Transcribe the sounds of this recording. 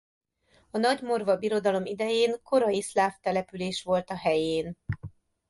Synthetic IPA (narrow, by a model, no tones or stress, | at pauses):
ɒnɒɟmo̞rvɒbiɾo̞d̪ɒlo̞mid̪ɛjeːŋko̞ɾɒjislaːft̪ɛlɛpyleːʃʋo̞lt̪ɒɦɛjeːn